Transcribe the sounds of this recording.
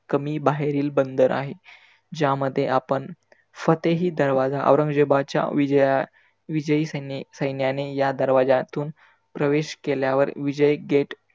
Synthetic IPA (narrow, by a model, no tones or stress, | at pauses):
kəmiːbaɦeɾiːlbənd̪əɾʔa̰ɦe | d͡ʑjaməd̪ʱːjeʔapəɳ | fət̪eɦiːd̪əɾʋad͡zaʔə̰ʋɾəŋɡd͡ʑebat͡ɕja̰ʋija | ʋid͡ʑəisənsəjnjanejad̪əɾʋad͡zat̪uːn | pɾəʋeɕkeljaʋəɾʋid͡ʑəjɡeʈ